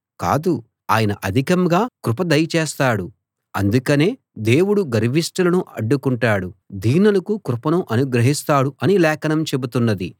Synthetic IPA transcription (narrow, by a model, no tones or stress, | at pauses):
ka̰ːd̪u | aːjɐnɐʔɐd̪ʱikɐmɡaːkɾupɐd̪ɐjɐt͡ʃeːst̪aːɽu | ɐ̰nd̪ukɐne̞ː | d̪e̞ːwuɽuɡɐɾʋisʈɐlɐnuʔɐɖːukuɳʈaːɽud̪iːnɐlɐkukɾupɐnuʔɐnuɡɾɐɦist̪aːɽuʔɐnilɛːkʰɐnɐmt͡ʃe̞but̪unːɐd̪i